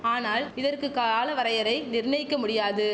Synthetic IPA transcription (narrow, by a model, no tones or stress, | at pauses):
aːnaːlɪðɐrkɯkaːlɐʋɐɾɐjɐɾɐɪnɪɾnɐɪkːɐmʊɽɪjaːðɯ